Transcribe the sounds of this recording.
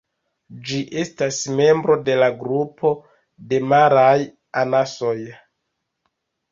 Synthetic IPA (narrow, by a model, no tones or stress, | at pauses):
d͡ʒiʔe̞stasme̞mbɾo̞de̞laɡɾupo̞ | de̞maɾaj | anaso̞j